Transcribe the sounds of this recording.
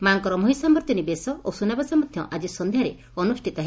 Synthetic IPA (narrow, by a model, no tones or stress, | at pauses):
maŋkɔɾɔmɔɦisambɔɾt̪jɔnibesɔosunabasamɔd̪ʱjɔʔad͡ʒisɔnd̪ʱjaɾe | ɔnusʈʰit̪ɔɦe